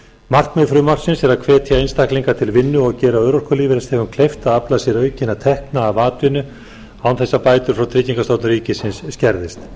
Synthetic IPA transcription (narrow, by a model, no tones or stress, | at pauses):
mar̥kmɛfɾʏmawr̥sɪnsɛɾaðkʰvɛːt̪ʰiaejnst̪ahkliŋkat̪ʰɪlvɪnːʏɔɣcɛːɾaœːɥɾowrkaliːvɪɾɛstθhɛvʏmkʰlejft̪aðaplasɛɾœːɥcɪnat̪ʰɛhknaːvaːt̪ɪnʏ | aːwnθɛsːapaːjt̪ʏɾfɾawt̪ʰɾɪːciŋkast̪owt̪nʏɾriːcɪsɪnsːcɛɾðɪst̪